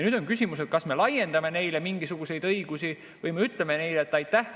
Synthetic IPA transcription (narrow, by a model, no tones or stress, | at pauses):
nyːd̪̥onkys̬ʲimuse̞t̪̚kɑsme̞lɑje̞nd̪ɑme̞ne̞jle̞miŋɡ̥isuɡ̥use̞jd̪ɤiɡ̥usi | vɤjmeyt̪ːˑleme̞ne̞jleːt̪ːˑɑjt̪ːæh